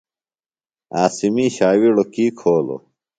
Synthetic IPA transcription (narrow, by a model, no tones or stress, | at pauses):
aːsimiːɕaːwiɽokiːkʰoːlo̰